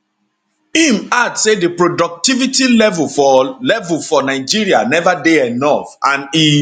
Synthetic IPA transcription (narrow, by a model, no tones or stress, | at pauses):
imadsedepɹodɔk̚tivitilɛvulɔlɛvulfɔnaɪd͡ʒiɹianɛvadeɛnɔfãni